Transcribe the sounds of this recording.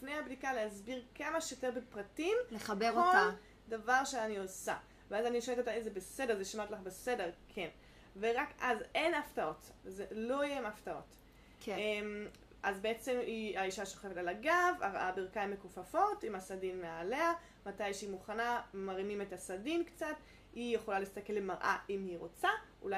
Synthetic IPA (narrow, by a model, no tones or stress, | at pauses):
lifne̞jabdikaleazbiʁkamaʃjoteʁbepʁatimleχabeʁkol | davaʁʃeaniosa | veazaniʃometot̪aizebese̞de̞ʁzeʃamatlaχbese̞de̞ʁkʰen | veʁakaze̞naftao̞tzelo̞jemaftao̞̰t | kem | ʔazbeet͡se̞miaiʃaʃo̞χefetalaɡavabiʁkaimːekufafo̞timasadinmeale̞a | matajʃeimuχanamaʁimimetasadimkt͡sat | hijeχolalist̪ake̞lːemaʁʔa̰ʔimhiʁo̞t͡saulaj